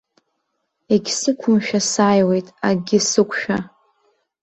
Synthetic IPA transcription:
eɡʲsɨkʷʰʊmʃᶣasaːjwe̞jtʼaɡʲɪsɨkʷʰʼʃᶣa

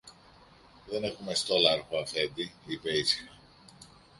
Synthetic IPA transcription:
ðe̞ne̞xumest̪o̞lɐɐɾxoɐfe̞nd̪iipeisi̥xɐ

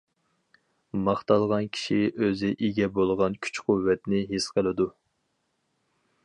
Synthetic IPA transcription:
mɑχt̪ɑlˠʁɑnkʲʰi̥ʃiʔøzɪʔiɡʲɛbolˠʁɑnkʲʰy̥t͡ʃquvːɛt̪nɪɦesqʰəlˠɨd̪u

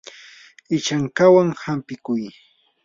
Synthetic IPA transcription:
ɪt͡ʃaŋkawaŋhampɪkʊj

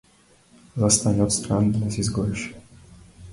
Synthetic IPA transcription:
zast̪aɲʲɔt̪st̪ɾand̪nasjɛst̪ɡɔɾʲʂ

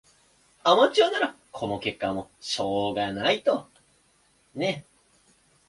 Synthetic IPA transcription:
amat͡ɕoːnaɾa | kʰo̞no̞ke̞kːamo̞ɕo̞ːɡanait̪o̞ | ne̞

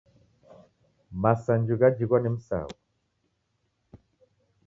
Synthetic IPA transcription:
masand͡ʒuɣad͡ʒiɣwanim̩sa̰ːwu

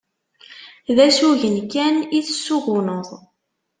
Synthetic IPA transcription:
ðæsuʝənkæniθəsːuɣʊnəðˤ

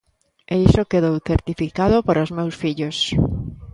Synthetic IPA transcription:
eisokeðowθeɾt̪ifikaðopoɾozmewsfiʎos

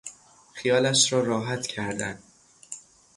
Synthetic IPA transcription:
xijɒːlæʃɾɒːɾɒːɦæt̪cʰæɾd̪æn

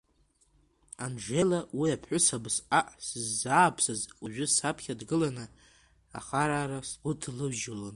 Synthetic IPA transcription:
anʒʷelawiapʰħʷʊsabsaʔsɨzːaːpʰsɨzuʒᶣʊsapʰχʲadɡɨlanɨ | a̰χaɾaːɾasɡʷʊtʰlɨbʒɪlon

